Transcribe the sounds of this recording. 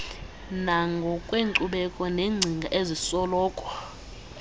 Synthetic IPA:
naŋɡʱɔkʼweŋǀuɓɛkʼɔneŋ͡ǀʱiŋɡʱaʔezisɔlɔːkʼɔ

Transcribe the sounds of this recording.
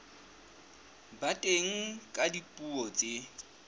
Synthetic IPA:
batʼeŋ̩kʼadipʼuɔt͡sʼe

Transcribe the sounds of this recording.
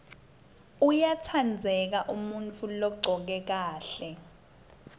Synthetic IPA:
ujatʰand͡zʱɛk̬aʔumunt͡fʰulɔɡ͡ǀʱɔk̬ɛk̬aːɬɛ

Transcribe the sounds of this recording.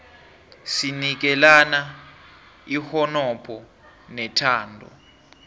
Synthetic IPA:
sinik̬ɛlana | ihɔnɔpʰɔ | nɛtʰaːndʱɔ̰

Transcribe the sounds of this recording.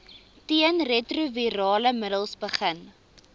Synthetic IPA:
tiənretruviɾɑːləmədəlˠsbəχən

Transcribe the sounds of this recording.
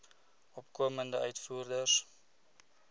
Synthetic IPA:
ɔpkuəməndəœɥtfuːrdəs

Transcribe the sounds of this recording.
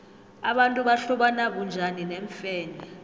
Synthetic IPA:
aɓantʼuɓaɬɔɓanaɓund͡ʒʱanineɱfɛːnʱa

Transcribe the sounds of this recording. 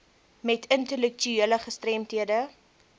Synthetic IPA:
mɛtʰəntəlɛk̚tyiələχəstrɛmtiədə

